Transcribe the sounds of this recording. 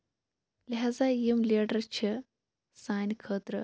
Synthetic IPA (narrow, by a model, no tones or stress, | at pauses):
lɪɦaːzajimleːɖəɾt͡ʃʰi | saːnʲkʰəːt̪ɾə